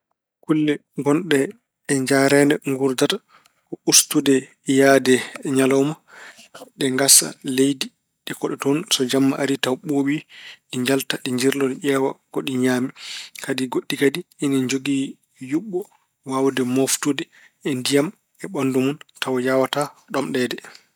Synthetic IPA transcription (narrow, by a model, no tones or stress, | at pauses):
kulːɛɡɔnɗɛː | ɲd͡ʒaɾɛnɛŋɡuɾdata | kɔustudɛ | jaːdɛɲalɔma | ɗɛŋɡasa̰lejdi | ɗɛkɔɗɛtɔnsɔd͡ʒamːaʔaɾitawɓoɓiɗiɲd͡ʒaltaɗiɲd͡ʒiɾlɔdɛʔɛːwaɡ̥oɗiɲaːmikadiɡoɗːikadiːnad͡ʒoɡi | juɓːɔ | wawdɛmoftudɛ | ɛndijam | ɛɓandumuntawjawataɗɔmɗɛdɛ